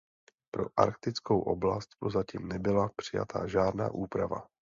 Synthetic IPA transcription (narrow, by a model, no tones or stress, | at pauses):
pɾo̞ʔaɾkt̪ɪt͡skowʔo̞̰blast̪pɾozaciːmnɛbɪlapr̥ɪja̰t̪ʰa̰ʒaːdna̰ːʔuːpɾava̰